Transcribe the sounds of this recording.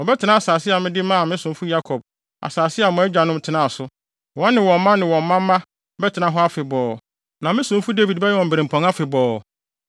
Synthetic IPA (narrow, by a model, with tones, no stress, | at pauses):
ɔ˨bɛ˦tʰɪ˨nã˦a˨saː˨sɪ˦a˨mɪ̃˦dɪ˦mã˦a˨mɪ̃˦sʊ̃˨m˦fu˦ja˦kʰɔ˨b̚ | a̰˨saː˨sɪ˦a˨mʊ̃˨ɛ˦d͡ʑᶣa˨nʊ̃˦m˦tʰɪ˦nã˦˨a˨sʊ˦˨ | ã˦nːɪ̃˨wɔ̃˨mː˦ã˦nɪ̃˨wɔ̃˨m̩ː˦ã˦mː˦ã˦ | bɛ˦tʰɪ˨nã˨ɦɔ˦a˦fɪ˨bɔː˨ | nã˨mɪ̃˦sʊ̃˨˦m˦fu˦de˦vi˨dbɛ˦jɛ˦wɔ̃˨m̩˨bɾẽ˨m̩˨pʰɔ̃˨ŋa˦fɪ˨bɔː˨